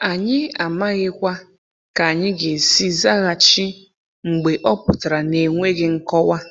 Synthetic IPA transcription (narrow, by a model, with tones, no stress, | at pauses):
a˨ɲɪ˦a˨ma˦ɣɪ˦kʷa˦ | ka˨a˨ɲɪ˦ɡe˨si˦za˦ɣa˨t͡ʃi˦ | ŋ͡m̩˨ɡ͡be˨ʔɔ˦pʊ˨ta˨ɾa˨ne˨ŋʷe˦ɡɪ˦ŋ̩˦kɔ˦wa˦